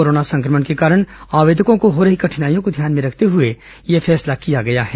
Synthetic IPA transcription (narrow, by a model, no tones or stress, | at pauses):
oːɾoːnasɐ̃ŋkɾəməɳkekaːɾəɽ̃aːʋeːd̪ʱəkõkoɦoːɾɐɦikɐʈʰɪnaːijõkod̪ʱjaːnmẽɾɐkʰt̪eɦʊe | jefʰɛːslakijaɡɐjaɦɛː